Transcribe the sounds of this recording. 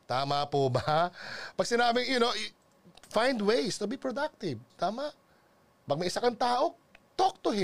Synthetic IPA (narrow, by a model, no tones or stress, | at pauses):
t̪aːmapobɐpɐɡ̚sɪnaːbɪŋjʊno | fãjnd̪wejst̪ʊbipɹod̪ak̚t̪ɪvt̪aːmɐʔ | pɐɡ̚mɐʔɪsakɐŋt̪aːʔo̞ | t̪ɔk̚t̪ʊɦɪ